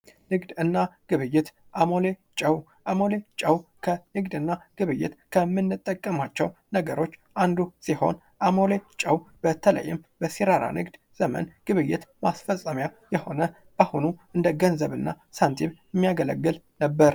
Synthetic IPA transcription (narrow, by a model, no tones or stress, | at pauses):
nɨɡd̪ɨnːaɡ̥ɨβɨjːɪt̪ | ʔamo̞let͡ʃʼəw | ʔamolet͡ʃʼəwkʰənɨɡd̪ɨnːaɡ̥ɨβɨjːɪ̰t̪kʰəmːɨnːɨt̪ʼːəkʼːəmat͡ʃːɛwnəɡəɾo̞t͡ʃːʔand̪usiho̞̰n | ʔamo̞let͡ʃʼəwbət̪ʰələ̰jːɪ̰mbəsiɾaɾa̰nɨɡd̪ | z̥əmə̰nɡ̥ɨβɨjːɪt̪masfəsʼːəmjajɛho̞nə | bahunuʔɨnd̪əɡənzəβɨnːa | sant̪ʰiβɛmːijaɡələ̰ɡːɨl | nəbːəɾ